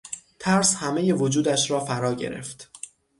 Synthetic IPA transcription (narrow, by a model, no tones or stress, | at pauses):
t̪ʰæɾshæme̞je̞vod͡ʒuːd̪æʃɾɒːfæɾɒːɟe̞̰ɾe̞̰ft̪